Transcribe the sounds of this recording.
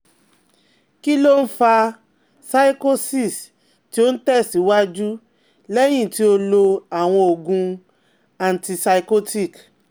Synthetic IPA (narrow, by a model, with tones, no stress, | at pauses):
ki˦lo˦n̩˦fa˧ | sa˦i˦ko˦si˦˨s | ti˦o˦n̩˦tɛ˦˨si˨˦wa˦d͡ʒu˦ | lɛ˦j̃ĩ˦˨ti˨˦o˧lo˧a˨w̃ɔ̃˧o˨ɡũ˧ | a˨n̩˨ti˧sa˧i˧ko˦ti˦˨k